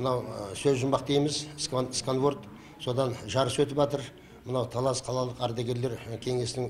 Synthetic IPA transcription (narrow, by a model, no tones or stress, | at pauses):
mənɑwsɵzʒʊmbɑq̚d̪ejmɪzsknskonvort̪ | so̞d̪ɑnʒɑɾəswɵt̪ɪpʒɑt̪əɾ | mənɑwt̪ʰɑlˠɑsqʰɑlˠɑlˠəqɑɾd̪eɡʲe̞ɾle̞ɾkʲʰe̞ŋe̞sɪnɪŋ